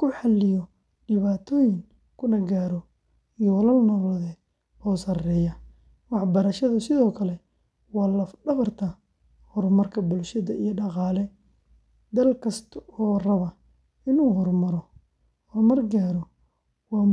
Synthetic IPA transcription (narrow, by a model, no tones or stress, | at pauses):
kʰʊħɑlɪjɔ | ɖɪβaːt̪ʰɔːjɪŋ | kʰʊnɐɡaːɾɔ | ijɔwɐlɐlnɔːlɐðɛːd̪ | ɔːsɐrɛːjɐ | wɑħbɐɾɐʃɐðɐsɪðɔːkʰɐlɛ | wɑːlɐfɖɐβɐrt̪ʰɐ | hɔrmɐrkʰɐbʊlʃɐðɐijɔɖɑqɑːlɛ | d̪ɐlkʰɐst̪ʰɐɔːrɐβɐ | ɪnuːɦɔrmɐɾɔ | hɔrmɐrɡaːɾɔ | wɑː